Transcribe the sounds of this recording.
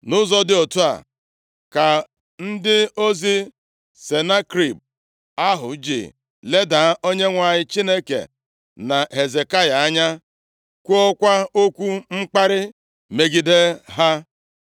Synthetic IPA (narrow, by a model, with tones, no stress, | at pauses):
nʊ˦zɔ˦dɪ˦o˨tu˦a̰˨ | ka˨ | n̩˦dɪ˦o˦zi˦ | se˨na˦kɾi˨b̚ | a˦ɦʊ̰˨˦d͡ʒɪ̰˨ | le˦da˨˦ʔo˦ɲe˦ŋʷa˨ɲɪ˦t͡ʃi˦ne˦kḛ˨ | na˨ɦe˨ze˨ka˦ja˨a˦ɲa˦ | kʷu˦ɔ˦kʷa˦o˦kʷu˦ŋ͡m̩˦k͡pa˦ɾɪ˦ | me˨ɡi˦de˦ɦa˦